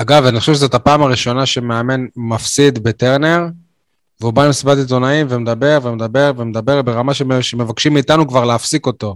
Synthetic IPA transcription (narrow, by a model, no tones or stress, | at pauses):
aɡavaniχoʃevʃezot̪apaːmaʁiʃo̞naʃe̞meame̞nmafsid̪be̞t̪eʁne̞ʁ | veubamisbat̪it̪̬onaimvemed̪abe̞ʁvemed̪abe̞ʁvemed̪abe̞ʁbe̞ʁamaʃeʃeme̞vakʃimːiːt̪anukvaʁleafsiko̞t̪o̞